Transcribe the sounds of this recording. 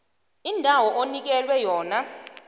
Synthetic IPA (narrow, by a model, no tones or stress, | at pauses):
indʱawɔʔonik̬ɛlwɛjɔːna